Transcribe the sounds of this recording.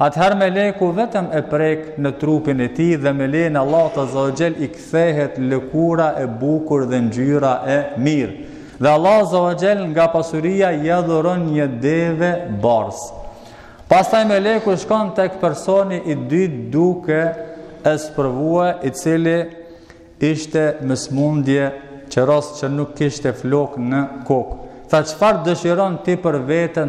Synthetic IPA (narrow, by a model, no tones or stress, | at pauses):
at̪ɦaɾmɛlɛkuvɛt̪əmɛpɾɛknət̪ɾupinɛt̪iðɛmɛlɛjnɛalˠːat̪azawad͡ʒɛlikθɛɦɛt̪lɛkuɾaʔɛbukuɾðɛnd͡ʒyɾaʔɛmiɾ | ðɛalˠːɑazːawad͡ʒɛlŋɡapasuɾijajɛðɔɾɔnɲəd̪ɛvɛbaɾs | past̪ajmɛlɛkuʃkɔnt̪ɛkpɛɾsɔniʔid̪yt̪d̪ukɛɛspəɾvuɛʔit͡sili | iʃt̪ɛməsmund̪jɛ | t͡ʃəɾɔst͡ʃənukːiʃt̪ɛflɔknəkɔk | θat͡ʃə̥faɾd̪əʃiɾɔnt̪ipəɾvɛt̪ən